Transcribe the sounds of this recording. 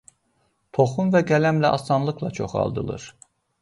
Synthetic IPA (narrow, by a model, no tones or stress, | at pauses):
t̪ʰo̞χumvæɡælæmlæʔɑsɑnlˠɯkʰlˠɑt͡ʃʰo̞χɑ̰lˠd̪ɯ̰lˠɯ̰ɾ